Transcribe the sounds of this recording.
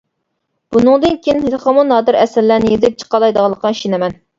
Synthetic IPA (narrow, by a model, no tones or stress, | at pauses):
b̥unɨŋd̪ɨnkʲeinhet̪ʰχɑmunɑːd̪ɨɾɛsɪɾlænɪjezɪp̚t͡ʃʰə̥qɑlˠɑjd̪əʁɑlˠːəqɑʃinɛmɛn